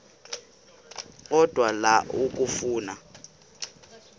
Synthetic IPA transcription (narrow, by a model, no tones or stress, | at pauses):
ɔd̥ʱwalaʔuk̬ʼufuːna